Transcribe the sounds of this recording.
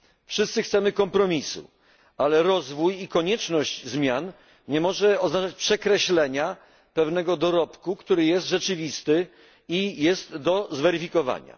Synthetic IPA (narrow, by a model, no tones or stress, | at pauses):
fʂɘst̪sɘxt̪sɛmɘkɔmpɾɔmʲisṵ | alɛɾɔzvujikɔɲɛt͡ʂnɔɕd͡ʑzmʲjan | ɲɛmɔʐɛɔznat͡ʂat͡ɕpʂɛkɾɛɕlɛɲa | pɛvnɛɡɔd̪ɔɾɔpkukt̪uɾɘjɛst̪ʐɛt͡ʂɘvʲist̪ɘ | ijɛst̪d̪ɔzvɛɾɘfʲikɔva̰ɲa̰